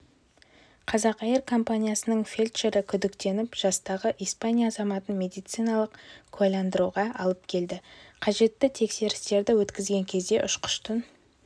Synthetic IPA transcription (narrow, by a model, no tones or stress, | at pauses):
qʰɑzɑqɑjəɾkʰo̞mpanʲijasənəɴfʲelʲt̪ʃeɾɪkʲʰʏd̪ɪkt̪e̞nɪpʒ̥ɑst̪ɑʁəʔijspanʲijaːzɑmɑt̪ənmʲe̞d̪ijt̪sɨjnɑlˠəqkʲʰɑjlɑnd̪əɾuʁɑʔɑlˠəp̚kʲʰe̞ld̪ɪqʰɑʒe̞t̪ːɪt̪ʰe̞kse̞ɾɪst̪e̞ɾd̪ɪwɵt̪kʲɪzɡʲe̞ŋkʲʰe̞zd̪e̞ʔʊʃqʰʊ̥ʃt̪ən